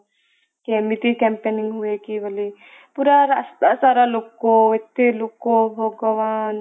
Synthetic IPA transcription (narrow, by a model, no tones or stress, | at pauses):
kemit̪ikɛmpenɪŋɡɦuekibəli | puɾaɾast̪asaɾalokːoet̪ːelokːobʱoɡəʋan